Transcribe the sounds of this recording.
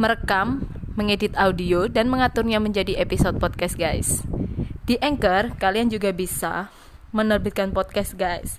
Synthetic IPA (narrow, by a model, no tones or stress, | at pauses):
məɾəkamːəŋedɪt̪audiodanməŋat̪ʊrɲaməɲd͡ʒadiʔepisot̪̚pɔt̪̚kɛs̚ɡajs | d̥iʔɛŋkərkaliand͡ʒuɡabisa̰ | mənərbɪt̪̚kanpɔt̪̚kɛsɡajs